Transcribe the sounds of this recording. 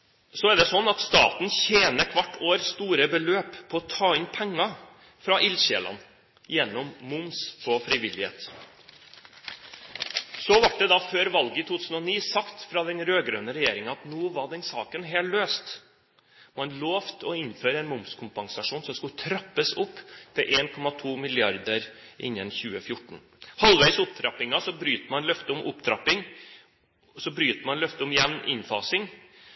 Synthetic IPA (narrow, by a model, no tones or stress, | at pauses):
sɔɛɖ̪ɛsɔnːɑt̪st̪ɑ̰ːt̪n̩çeːnəkʰʋɑʈːoːɾst̪uːɾəbəløːpʰːɔɔt̪ʰɑːɪnpʰɛŋːɑ | fɾɑʔɪlɕḛːlɑ̰n | jɛnːɔmːʊmspʰɔfɾɪʋɪlɪhḛːt̪ | sɔʋɑʈ̚d̪ɛd̪ɑføːɾʋɑlɡəɪit̪ut̪ʉːsn̩ɔniːsɑkt̪fɾɑd̪ɛnɾøːɡɾø̰ːnəɾɛjeːɾɪŋɑɑt̪nuːʋɑɖɛnsɑ̰ːkənɦeːlløːst̪ | mɑnloːft̪ʰɔɪnføːɾəɛɪnmʊmskʰʊmpɑŋsɑʂuːnsɔmskʉlt̪ʰɾɑpːəsʊpːt̪ʰɪlʔeːnkʰɔmɑt̪ʰuːmɪlɪɑɾd̪əɾʔɪ̰nːənçʉːəfjʊʈːɳ̩ | hɑlʋæɪsʊp̚t̪ʰɾɑpːɪŋɑsɔbɾyːt̪əmɑnlœft̪əɔmʔʊpt̪ʰɾɑpːɪŋ | sɔbɾyːt̪əmɑnlœft̪əɔmɪjɛʋnɪ̰nfɑ̰ːsɪŋ